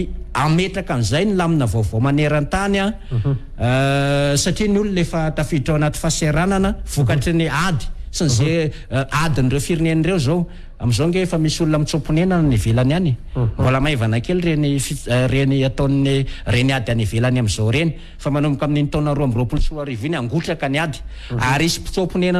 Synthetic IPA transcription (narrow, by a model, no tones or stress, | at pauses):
ameʈ͡ʂakamizajnilaminəvovomaneɾant̪ana | saʈ͡ʂinululefət̪afiʈ͡ʂaanat̪i̥faseɾananəv̥ukaʈ͡ʂniad̪i̥sinize | ʔad̪inirewfiɾinenirewzo | amizoŋɡefəmisulunamit͡sopunenannivelananimbolamajvanakelrenifireniat̪oninireniad̪ianivelanamizowɾeni̥ | famanumikamininit̪onaɾoamroapult͡suɾaɾivinaŋɡuʈ͡ʂakaniad̪i̥ | aɾisi̥pi̥t͡sopunena